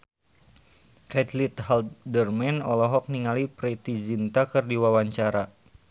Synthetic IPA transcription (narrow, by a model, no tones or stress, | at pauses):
kɛt̪lit̪haldərmɛnɔlɔɦɔk̚niŋalipɾɛt̪id͡ʒint̪akɨrdiwawaɲt͡ʃaɾa